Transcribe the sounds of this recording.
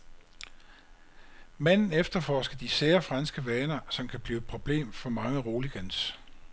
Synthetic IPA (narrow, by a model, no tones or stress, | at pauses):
mæn̰n̩efd̥ɐfɒ̰ːsɡ̥ɐd̥iseːɐfʁɑ̈nsɡ̥əʋɛːnɐsɒ̽mkʰæb̥li̥ːpʰʁo̝b̥le̝̰ːmfɒ̽mɑ̈ŋəʁo̝ːliɡ̥æns